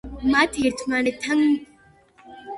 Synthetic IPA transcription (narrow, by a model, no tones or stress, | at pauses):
matijiɾtʰumanetʰɐŋ